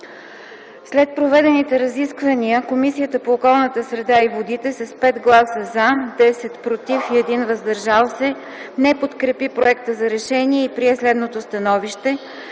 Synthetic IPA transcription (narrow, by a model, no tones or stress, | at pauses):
slɛt̪̚pɾovɛd̪ɛnit̪ɛɾɐziskvəniəkomisijət̪əpoːkɔlˠnət̪əsɾɛd̪aivod̪it̪ɛsɐspɛd̪ɡlˠasəzad̪ɛsɛt̪pɾot̪ifiɛd̪invəzd̪ɐɾʒalˠsɛ | nɛpot̪kɾɛpipɾoɛkt̪əzɐɾɛʃɛniɛipɾiɛslɛd̪not̪ost̪ɐnɔviʃt̪ɛ